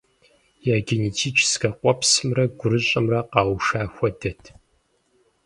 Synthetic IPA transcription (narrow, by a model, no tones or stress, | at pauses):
jaːɡʲɪnitʰiːt͡ʃʰsɡɐqʷʼɔpʰsɨmrɐɡʷʊɾɨɕʼɪmrɐqɑːwʃaːxʷɔdɐtʰ